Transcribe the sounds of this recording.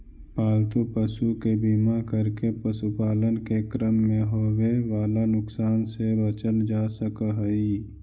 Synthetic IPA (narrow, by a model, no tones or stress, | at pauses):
paːlt̪upəʃukebimakəɾkepəsupaːlənkekɾəmːẽɦoːweʋaːlanʊksaːnsebət͡ʃəld͡ʒaːsəkəɦəiː